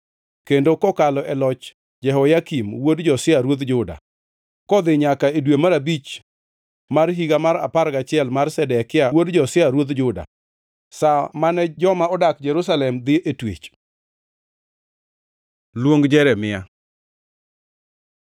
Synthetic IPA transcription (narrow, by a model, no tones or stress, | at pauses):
kendokɔkalɔʔɛlɔt͡ʃ | d͡ʒɛɦɔjakimwodd͡ʒɔsɪaɾwod̪d͡ʒʊda̰ | kɔd̪ɪɲakaedwemaɾabit͡ʃ | marɦiɡamaɾa̰paɾɡat͡ʃɪɛlmarsɛdɛkɪawodd͡ʒɔsɪaɾwod̪d͡ʒʊda̰ | samanɛd͡ʒɔmaɔdakd͡ʒɛɾʊsalɛmd̪ɪʔetwḛt͡ʃ | lwoŋɡd͡ʒɛɾɛmɪa